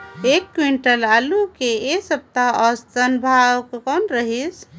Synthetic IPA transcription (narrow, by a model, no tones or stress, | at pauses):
ekːwiɳʈəlalukeesəb̚t̪aəst̪ənbʱawkkɔnɾəɦis